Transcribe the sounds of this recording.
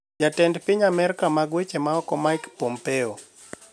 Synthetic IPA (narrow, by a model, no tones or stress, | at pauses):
d͡ʒatɛndpɪɲamɛɾkamaɡwet͡ʃemaɔkɔmajkpɔmpɛo